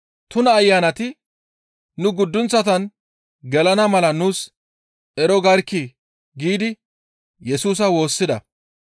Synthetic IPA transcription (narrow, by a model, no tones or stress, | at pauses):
t̪ʊnɐːjːaːnɐt̪ɪ | nʊɡʊd̪ːʊnt͡sːɐt̪̬ɐn | ɡɛlɐnɐmɐlɐnuːs | ʔɛɾɔɡɐɾkːɪ | ɡiːd̪ɪ | jɛsuːs̬ɐwo̞ːsːɪd̪ɐ̰